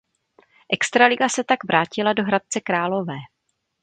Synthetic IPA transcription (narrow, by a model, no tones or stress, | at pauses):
ʔɛkst̪ɾalɪɡasɛt̪aɡvɾʔaːcɪlado̞ɦɾat̪̚t͡sɛkɾaːlo̞vɛː